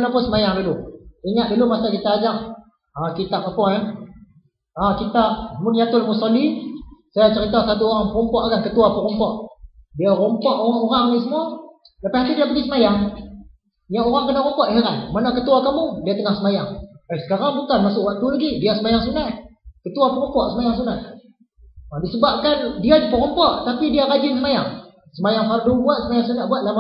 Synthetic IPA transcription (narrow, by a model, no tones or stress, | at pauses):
napʊnsəmajaŋduluiŋaʔ̪̚dulumasakit̪aːd͡ʒaʔ | akit̪apapɔŋa | akit̪amʊnjat̪ʊlmusalisajat͡ʃəɾit̪asat̪uoɾaŋpəɾɔmpɔʔaɡankət̪uapəɾɔmpɔʔdiaɾɔmpɔʔoɾaŋoɾaŋniʔsəmua | lapahat̪idiapəɡisəmajaŋ | jaoɾaŋkənaʔɾɔmpɔʔɦeɾa̰nmanakət̪uwakamudiat̪əŋahsəmajaŋəsə̥kaɾaŋbukanmasʊʔwak̚t̪ulaɡidiasəmajaŋsunaʔkət̪uapəɾɔmpɔʔsəmajaŋsunaʔ | adisəbap̚kandiad͡ʒipəɾɔmpɔʔt̪apidiaɾad͡ʒɪnsəmaja̰ŋ | səmajaŋfardubuat̪̚səmajaŋsunaʔbuat̪̚lama